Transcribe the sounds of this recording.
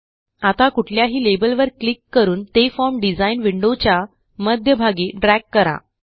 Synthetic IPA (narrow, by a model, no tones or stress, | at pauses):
at̪akuʈʰljaɦiːlebəlʋəɾklikːəɾuːnt̪efɔɾmɖid͡zainʋiɳɖot͡ɕja | məd̪ʱjəbʱaɡiɖɾækːəɾa̰